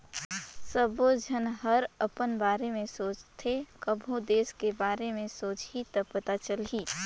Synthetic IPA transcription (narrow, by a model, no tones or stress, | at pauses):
səbod͡ʒʱənɦəɾəpənbaːɾemẽsoːt͡ʃt̪ʰekəbʱõd̪eːskebaːɾemẽsoːt͡ʃɦit̪əpət̪at͡ʃəlɦiː